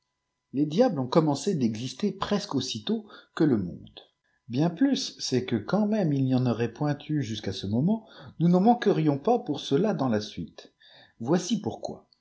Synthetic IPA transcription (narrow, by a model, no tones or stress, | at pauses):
led̪jablɔ̃kɔmɑ̃sed̪ɛɡzist̪epχɛskosit̪okələmɔ̰̃d̪ | bjɛ̃plysːɛkəkɑ̃mɛmilniɑ̃nɔʁɛpwɛ̃t̪ʰyʒyskasəmɔmɑ̃nunɑ̃mɑ̃kəʁijɔ̃papuʁsəlad̪ɑ̃lasɥit̪ | vwasipuʁkwa̰